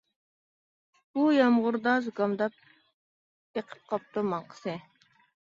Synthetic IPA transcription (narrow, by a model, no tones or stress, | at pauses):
b̥ujɑmʁʊɾd̪ɑzɡɑmd̪ɑp̚ | eqʰə̥p̚qʰɑp̚t̪umɑɴqʰə̥sɨ